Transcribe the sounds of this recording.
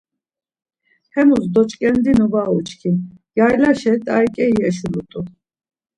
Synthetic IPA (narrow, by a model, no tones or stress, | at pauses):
hɛmusd̪ɔt͡ʃʼkʼɛnd̪inuvaut͡ʃʰʼkʰin | jajlaʃɛt̪ʼaikʼɛjɛʃulut̪ʼu